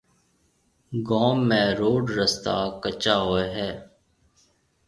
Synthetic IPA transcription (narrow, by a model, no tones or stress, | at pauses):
ɡõːmːẽːɾoːɖɾəst̪aːkət͡ʃaːɦoːeɦɛː